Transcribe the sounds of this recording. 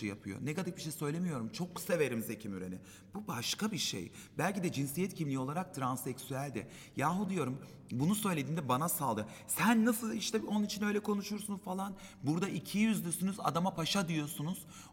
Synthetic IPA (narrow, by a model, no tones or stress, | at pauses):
ɯja̰pʰɯjo̰nɛkad̪ak̚biʃejsø̞jlʲe̞mijo̞ɾumt͡ʃʰo̞kːseve̞ɾimze̞cʰimyɾḛnɪ̰ | b̥ubaʃkabiʃḛj | bælʲcid̪ɛd͡ʒinsijɛt̪cʰimlʲijo̞lˠaɾak̚t̪ʰɾansɛksyælʲd̪ɪ̰ | jaːɦud̪ijo̞ɾum | bunusø̞jlʲed̪iːnd̪ɛbanasalˠd̪ɯsænːasɯlˠiʃt̪ɛo̞nunit͡ʃʰinø̞jlʲɛkʰo̞nuʃuɾsunfalˠan | buɾd̪aʔicʰijyzlʲysynyza̰d̪amapʰaʃad̪ijo̞sunuz̥